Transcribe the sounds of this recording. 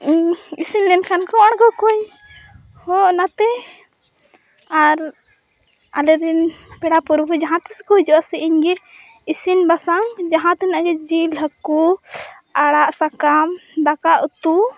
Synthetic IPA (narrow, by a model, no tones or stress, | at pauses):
isinlɛnkʰankɔwaɽ̃kɔkɔj | hɔ̃ʔnat̪ɛ | aɾ | alɛɾɛnpɛɽapuɾbʱud͡ʒaɦãt̪ɛsɛ̥kɔɦd͡ʒɔʔasɛʔiɲɡɛ | isinbasaŋd͡ʒaɦãt̪ɛnaʔɡɛd͡ʒilɦəku | aɽaʔsakamd̪akaʔut̪u